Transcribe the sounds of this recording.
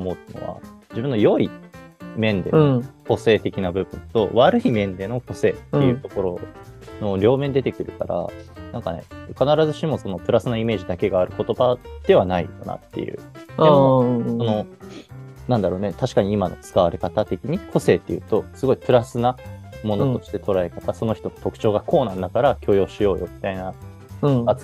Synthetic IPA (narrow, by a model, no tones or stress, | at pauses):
omoːt̪ːeno̞̰βa̰d͡ʑibɯ̟̃nːo̞jo̞i | mẽ̞nd̪e̞oko̞se̞ːt̪e̞kʲinabɯ̟bɯ̟̃nt̪o̞̰βaɾɯ̟imẽ̞nd̪e̞no̞ko̞se̞ːt̪ːejɯ̟ːt̪o̞ko̞ɾo̞ | no̞ɾʲo̞ːmẽnd̪et̪ekɯ̟ɾɯ̟ka̰ɾa̰nãŋka̰ne̞̰kanaɾazɨɕimo̞so̞no̞pɯ̟ɾasɨno̞ime̞ːʑid̪ake̞ɡaːɾɯ̟ko̞t̪o̞bad̪̥e̞β̞anaikana̰t̪ːe̞̰jɯ̟̰ːoso̞no̞ | nãnd̪aɾo̞ːnet̪aɕi̥kaɲ̟iimano̞̰t͡sɨ̥kaβaɾe̞kat̪at̪e̞kʲiɲ̟ikʰo̞se̞ːt̪ːe̞jɯ̟̰ːt̪o̞sɨɡo̞ipɯ̟ɾasɨnamo̞not̪o̞ɕi̥t̪e̞t̪o̞ɾae̞kat̪aso̞noçi̥t̪o̞no̥t̪o̞kɯ̟̥t͡ɕo̞ːɡako̞ːnãnd̪akaɾakʲʰo̞ːjo̞ːɕijo̞ːjo̞mʲi̥t̪aina | at͡s